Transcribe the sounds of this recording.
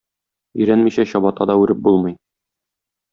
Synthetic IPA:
ɵ̆jɾænmiɕæɕɒbɑt̪ɑd̪ɒʉɾɘp̚bulˠmɤ̆j

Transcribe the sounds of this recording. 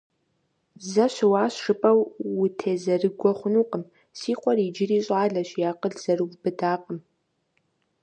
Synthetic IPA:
zɐɕɨwaːɕʂɨpʼɐwːʊtʰeːzɐrɨɡʷɔχʷʊnuːqʼəm | siːqʷʼɔriːd͡ʒɪriːɕʼaːɮɐɕjaːqʼəɮz̥ɐrɨwʷbɨdaːqʼəm

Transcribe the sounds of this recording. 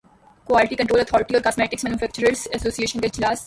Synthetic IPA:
kʋaːlɪʈikɐ̃ɳʈɾoːlət̪ʰɔːɾɪʈiɔːɾkaːsmeːʈɪksmɛːnjufʰɛːk̚t͡ʃəɾəɾsəsoːsieːʃə̃nɡed͡ʒlaːs

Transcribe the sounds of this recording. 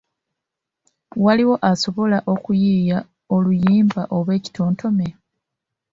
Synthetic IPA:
waliwo̞ʔaso̞βo̞laʔo̞kujiːja | o̞lujiːmbaʔo̞βwe̞ːci̥tʰo̞ːntʰo̞me̞

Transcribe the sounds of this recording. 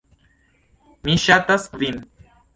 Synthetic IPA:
miʃat̪askvin

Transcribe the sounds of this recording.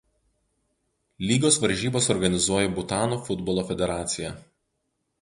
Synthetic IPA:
lʲiːɡoːsʋɐɾʲʒʲiːboːsɔɾɡɐnʲɪzuɔjɛbʊt̪ɑːnuːfʊd̪bɔlˠoːfʲɛd̪ʲɛɾɑːt̪sʲɪjɛ

